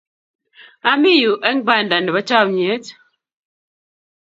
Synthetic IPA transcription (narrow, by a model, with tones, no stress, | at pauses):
a˦mi˦ju˨ʔɛ˦ŋ˦ba˦˨nda˨ndɛ˨βa˦t͡ʃa˦˨m˨e˨˦t